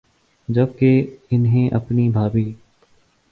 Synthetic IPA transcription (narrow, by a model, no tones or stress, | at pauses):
d͡ʒɐb̚keɪnɦẽʔɐ̰pnibʱaːbiː